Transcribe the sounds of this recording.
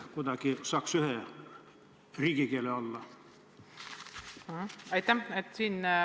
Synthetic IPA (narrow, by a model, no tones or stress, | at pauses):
kut̪ɑkisɑːksyhe | riːkikieleolːɑ | h̩æjt̪ːæmet̪siːn